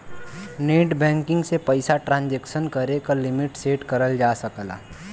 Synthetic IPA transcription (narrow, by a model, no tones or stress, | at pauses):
neːʈbɛ̃ːŋkɪ̃ŋɡsepəɪsaʈɾãːnd͡ʒekʃənkɐɾekalɪmɪʈseːʈkəɾəld͡ʒaːsəkla̰ː